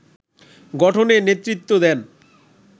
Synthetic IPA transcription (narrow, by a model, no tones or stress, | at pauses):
ɡɔʈʰonenet̪ːɾit̪ːod̪ɛn